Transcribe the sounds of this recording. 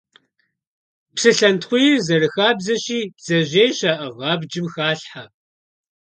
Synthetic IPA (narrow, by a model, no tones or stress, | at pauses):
psɨɬɐntχʷʊjzɐrɨxaːbzɐɕiːz̥ɐʑeːjɕaʔɐʁɑːbd͡ʒɪmxaːɬħa